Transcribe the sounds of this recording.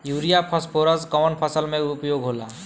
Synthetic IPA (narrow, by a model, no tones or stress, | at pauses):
juɾijapʰəspʰoɾəskɔmənpʰəsəlmeupjoɡɦola